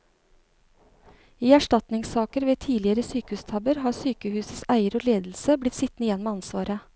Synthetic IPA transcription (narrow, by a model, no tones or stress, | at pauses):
iːæʃʈɑt̪nɪŋsɑːkəɾʋeːt̪ʰiːlɪəɾəsyːkəʉːst̪ʰɑbəɾhɑːsyːkəhʉːsəsæɪəɾoːleːd̪l̩səblɪt̪sɪt̪nɪjɛnmeːɑnsʋɑːɾə